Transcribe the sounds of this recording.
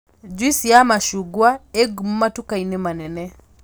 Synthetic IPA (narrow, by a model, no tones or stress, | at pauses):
d͡ʒisiamaʃuɡwaɛɡum̩matukainɛmanɛnɛ